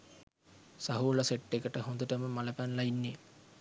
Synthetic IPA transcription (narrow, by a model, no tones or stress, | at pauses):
sɐɦuːlɐseʈːekəʈəɦõnd̪əʈəməmɐləpænlɐinːe